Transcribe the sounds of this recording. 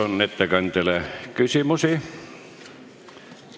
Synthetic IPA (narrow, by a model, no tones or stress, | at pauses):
onnet̪ːækɑnt̪elækysimosi